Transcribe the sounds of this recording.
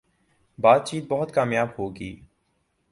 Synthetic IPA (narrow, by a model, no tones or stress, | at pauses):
baːt̪̚t͡ʃiːt̪̚bɐɦʊt̪kaːmjaːbhoːɡiː